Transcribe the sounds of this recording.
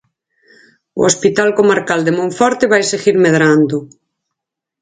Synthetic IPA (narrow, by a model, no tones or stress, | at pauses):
ʊ̰ospit̪alkomaɾkald̪emõɱfɔɾt̪eβajeseɣiɾmeðɾand̪ʊ